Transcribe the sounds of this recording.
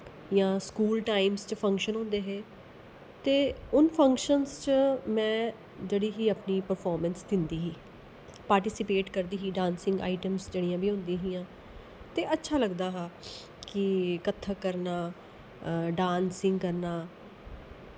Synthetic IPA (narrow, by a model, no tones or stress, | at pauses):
jãːskuːlʈaːimst͡ʃəpʰə̃ŋkʃənɦʊ̃nd̪eːɦeː | t̪eːʊnpʰə̃ŋkʃənst͡ʃəmɛ̃ː | d͡ʒeːɽiːɦiːəpniːpəɾpʰɔːɾmənsd̪ɪnd̪iːɦiː | paːɾʈɪːsɪpeːʈkəɾd̪iːɦiːɖãːnsɪ̃ŋɡa̰ːɪʈəmsd͡ʒeːɽijãːbʱiːɦʊ̃nd̪ĩːɦĩːãː | t̪eːʔətːʃʰaːləɡd̪aːɦãː | kɪkət̪ʰːaːkəɾnaː | ɖãːnsɪ̃ŋɡkəɾnaː